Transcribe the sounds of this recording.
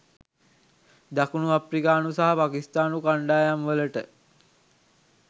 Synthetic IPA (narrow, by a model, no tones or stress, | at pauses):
d̪akunuaprikaːnusaɦapaːkist̪aːnukaɳɖaːjamʋələʈə